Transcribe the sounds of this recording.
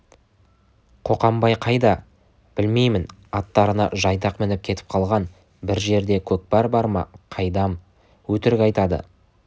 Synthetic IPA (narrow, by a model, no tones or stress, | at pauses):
qʰo̞qɑmbɑjqʰɑjd̪ɑ | b̥ɪlme̞jmɪnɑt̪ːɑɾənɑ̰ʒɑjd̪ɑqmɪnɪp̚kʲʰe̞t̪ɪ̥p̚qʰɑlˠʁɑn | bɪɾʒe̞ɾd̪e̞kʲʰɵk̚bɑɾbɑɾmɑ̰qʰɑjd̪ɑm | wɵt̪ɪɾɪkʲɑjt̪ɑd̪ə̰